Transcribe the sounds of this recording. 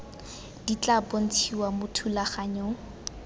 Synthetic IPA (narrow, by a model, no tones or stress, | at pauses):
d̥it͡ɬapon̩t͡sʰiwamʊtʰulaχaɲɔ